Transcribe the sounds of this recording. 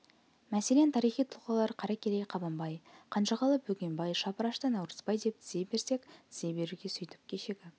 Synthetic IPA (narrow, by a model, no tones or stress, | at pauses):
mæse̞le̞nt̪ʰɑɾijχijt̪ʰʊlˠqɑlˠɑɾqʰɑɾɑkʲʰeɾejqʰɑbɑmbɑjqʰɑnʃɑʁɑlˠəp̚bɵkʲe̞mbɑjʃɑpəɾɑʃt̪ənɑwɾə̥zpɑjd̪e̞p̚t̪ʰɪ̥zebe̞ɾse̞kt̪ʰɪzebe̞ɾuɡʲe̞sʏjt̪ɪ̥p̚kʲʰe̞ʃeɡʲɪ